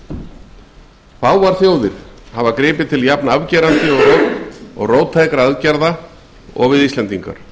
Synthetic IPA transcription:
θaːwvaɾ̥θjoːwðɪɾ̥havakɾɪːpɪt̪ʰɪljapnavcɛːɾant̪ɪɔɣrɔːkɔ̰ɣroːwt̪ʰːaːjkɾaaðcaɾða | ɔ̰ɣvɪðist̪lɛnt̪iŋka̰ɾ̥

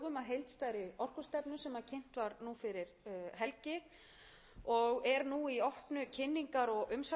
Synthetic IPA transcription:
ɣʏmaðɦejlt̪st̪aːjɾɪɔr̥kʏ̥st̪ɛpnʏsɛmacʰɪn̥t̪vaɾnufɪɾɪɾ̥ɦɛlcɪ | ɔɣɛɾnuiɔhpnʏcʰɪnːiŋkaɾɔɣʏmsa

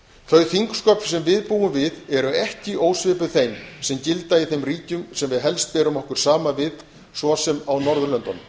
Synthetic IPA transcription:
θœɥθiŋkskœpfsɛmvɪðpuːʏmvɪðɛɾʏɛhcɪʔoːwsvɪːpʏθejmsɛmcɪlt̪aiθejmriːcʏmsɛmvɪðɦɛl̪st̪̚pɛːɾʏmɔhkʏɾ̥saːmavɪð | svɔsɛmawnɔɾðʏlœnt̪ɔn

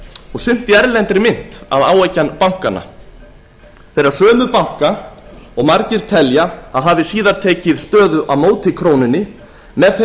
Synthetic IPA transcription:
ɔɣsʏn̥t̪ɪɛɾlɛnt̪ɾɪmɪn̥t̪a̰ðaːwejcanpawŋ̥kanːa̰ | θɛɾaɾsœːmʏpawŋ̥kaɔɣmaɾcɪɾ̥t̪ʰɛljaaðɦaːvɪsiːðaɾ̥t̪ʰɛːcɪðst̪œːðʏʔaðmoːwt̪ɪkʰɾoːwnɪnːɪ | mɛðθ

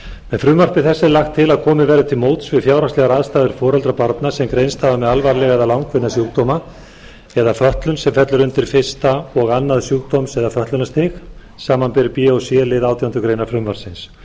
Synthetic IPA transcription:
mɛðfɾʏːmvar̥pɪθɛsːɪlaxt̪ʰːɪlaðkʰɔːmɪvɛːɾʏt̪ʰɪlmoːwt̪svɪðfjaːwɾaslɛɣaɾaːðst̪aːðɪɾ̥fɔːɾɛlt̪ɾapaɾt̪nasɛmkɾejnst̪havamɛðalvaɾlɛɣaðalawŋkʰvɪnːasjuːkd̪oːma | ɛðafœht̪lʏnsɛmfɛt̪lʏɾʏnt̪ɪɾ̥fɪ̥st̪aɔɣanːaðsjuːk̚d̪omsɛðafœht̪lʏnast̪ɪx | saːmanpɛɾɪpiosjɛlɪðawt̪ʰijawnt̪ʏkɾejnaɾfɾʏmvaɾ̥sɪns

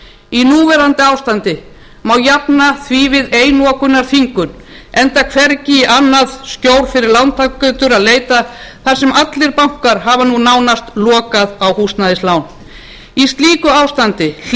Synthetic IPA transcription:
inuːvɛɾant̪ɪaːwst̪ant̪ɪ | mawjapnaθvivɪðeːjnɔkʏnːaɾ̥θiŋkʏn | ɛnt̪akʰvɛɾcɪiʔanːaðscoːwɾ̥fɪɾɪɾlawnt̪ʰakkʏt̪ʏɾaðleːjt̪aθaɾ̥sɛmat̪lɪɾpam̥kaɾɦavanunawnast̪lɔːkaðawhust̪naðɪslawn | ist̪liːkʏawst̪ant̪ɪ

